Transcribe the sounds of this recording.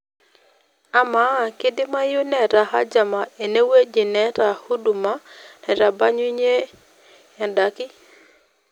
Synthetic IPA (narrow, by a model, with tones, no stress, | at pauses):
a˦ma˦˨kɪ˦dɪ˦ma˦jʊ˦nɛ˨ɾa˨ha̰˦d͡ʒa˨ma˨e˨ne˦we˦d͡ʒi˨nɛ˦ɾa˨hu˦du˨ma˦nɛ˨ɾa˨ba˦ɲwi˦ɲe˦ | a˨nda˨kɪ˦